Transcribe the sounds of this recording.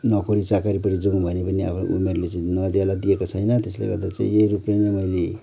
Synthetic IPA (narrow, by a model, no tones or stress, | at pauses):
nʌkoɾit͡sakaɾipʌʈid͡zoŋbʱʌnepʌnia̰pʰno̰ṵmerlet͡sãĩnʌd̪jalad̪ijekot͡sʰʌjnʌt̪eslḛɡʌrd̪at͡sã̰ĩjeɾuplenʌmʌjle